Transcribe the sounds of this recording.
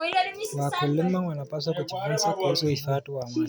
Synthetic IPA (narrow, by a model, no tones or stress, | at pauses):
wakulɛmaŋwanapas̬wakut͡ʃivunsakuusɔifatuwama